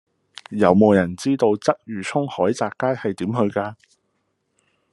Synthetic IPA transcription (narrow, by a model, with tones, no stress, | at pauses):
jɐ˨˧wmo˨˧wjɐ˨˩nt͡siː˥t̪o˧wt͡sɐ˥k̚jyː˨˩t͡sʰʊ˥ŋhɔː˨˥jt͡saː˨kːaː˥jhɐ˨jt̪iː˨˥mhɵ˧ɥkaː˧